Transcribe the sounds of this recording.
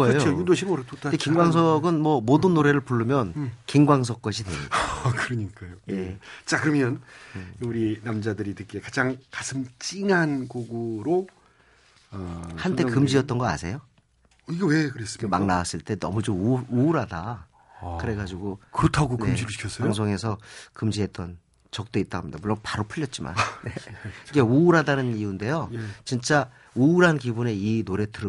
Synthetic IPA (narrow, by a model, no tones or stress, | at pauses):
ʌejooojudoɕʰimʌɾtotʰaekiŋɡwaŋs̬ʰʌɡɯnmwʌmodɯnːoɾe̞ɾɯɭpuɭːumjʌnkiŋɡwaŋs̬ʰʌk̚k͈ʌɕʰidweɲikɯɾʌɲik͈ajojet͡ɕ͈akɯɾʌmjʌnuɾinamd͡ʑadɯɾitɯk͈e̞kad͡ʑaŋkasʰɯmt͡ɕ͈inɦankoɡuɾo | ʌhant͈ekɯmd͡ʑiʌt̚t͈ʌnɡʌa̰sʰe̞̰jo | iɡʌwekɯɾes͈ɯ̥ma̰ŋnawas͈ɯɭt͈e̞nʌ̰mud͡ʑomuɾɦada | kɯɾe̞ɡad͡ʑiɡokɯɾʌtʰaɡonkemd͡ʑiikʰʌs͈aaŋs̬ʰoŋe̞sʰʌkɯmd͡ʑiɦe̞t͈ʌn | t͡ɕʌk̚t͈oit͈aɡɦamɲidamuɭːonpaɾopʰuʎːʌt̚t͡ɕ͈ima̰nneiɡe̞uɾadanɯniunde̞jot͡ɕint͡ɕ͈a | uuɾɦankibune̞inoɾe̞tɯɾ